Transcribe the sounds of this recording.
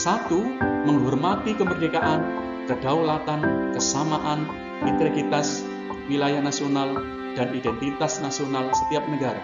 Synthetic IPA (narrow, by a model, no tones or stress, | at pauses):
sat̪uməŋɦɔrmat̪ikəmərdekaʔan | kəd̥aulat̪ankəsamaʔan | mit̪ɾeɡit̪as | wilajahnasional | d̥anidɛnt̪it̪asnasionalsə̥t̪iap̚nəɡaɾa